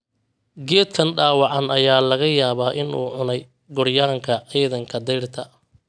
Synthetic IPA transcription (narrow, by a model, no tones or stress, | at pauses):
ɡɛːd̪̚kʰɐnɖaːwɑʕɑnɐjaːlɐɣɐjaːβaːʔɪnuːʕʊnɛj | ɡʊrjaːŋkʰɐʕiːðɐŋkʰɐd̪ɛjrt̪ʰɐ